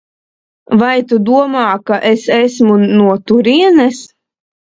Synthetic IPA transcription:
vajt̪ud̪uɔmaːkaʔesesmunuɔt̪uɾiɛnɛs

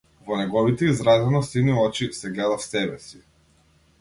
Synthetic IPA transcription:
vɔnɛɡɔvit̪ɛizɾazɛnɔsiniɔt͡ʃisɛɡlɛd̪afsɛbɛsi

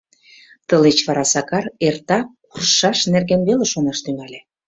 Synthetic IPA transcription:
t̪əlet͡ɕβɑɾɑsɑkɑrert̪ɑkurʃɑʃnerɣenβeleʃonɑʃt̪yŋælʲe

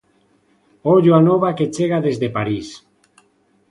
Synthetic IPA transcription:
oʎoanoβaket͡ʃeɣ̞aðezðepaɾis

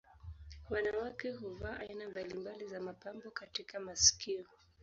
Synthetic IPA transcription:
wanawakɛɦuvaːʔainambalimbalizamapambɔkatikamasi̥kʰiɔ

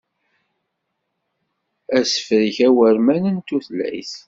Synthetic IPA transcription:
æsə̥fɾiçæwəɾmænənt̪ːuθlæ̰jθ

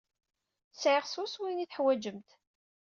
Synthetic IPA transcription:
sʕɪʁsuswiniθħwæd͡ʒəmt̪

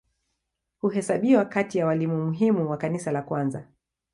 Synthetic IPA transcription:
huɦɛsaɓiwakatijawalimumuɦimuwakanisalakwanza

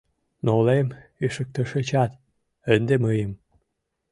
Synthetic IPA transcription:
nolemiʃə̆k̚t̪ə̆ʃet͡ɕɑt̪ | ənd̪eməjə̆m

